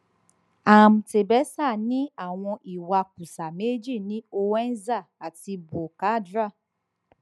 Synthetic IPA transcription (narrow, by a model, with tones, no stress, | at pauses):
a˨m̩˨te˨bɛ˨˦sa˦˨nĩ˦a˦˨w̃ɔ̃˧ʔi˨wa˧k̚ũ˨sa˨me˦d͡ʒi˦˨nĩ˦o˧wɛ˦n̩˦za˦˨a˨ti˧bo˨ka˨˦dɾa˦˨